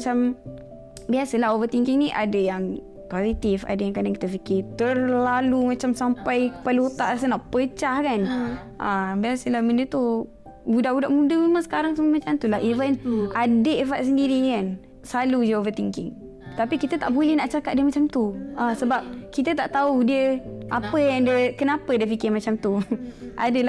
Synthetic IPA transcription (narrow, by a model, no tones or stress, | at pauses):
at͡ʃam | biasəlaɦovət̪iŋkiŋniʔadəjaŋ | kazit̪ifa̰dajaŋkadaŋkit̪əfikɪt̪ərlalumat͡ʃamsampajpalot̪a̰ʔas̬ənaʔpət͡ʃahkan | ʔabiasəlahməndət̪u | budaʔbudaʔmudəmemãŋsə̥kaɾaŋsummat͡ʃamt̪ulaɦivənadəʔefaʔ̪̚s̬əndiɾikan | salud͡ʒaovət̪iŋkɪ̰ŋ | t̪apikit̪ət̪aʔbolɛhnaʔt͡ʃakat̪̚diəmat͡ʃamt̪uasəbap̚kit̪ət̪aʔt̪audiəʔapəjaŋdəkənapədəfikɪmat͡ʃamt̪uʔa̰dəla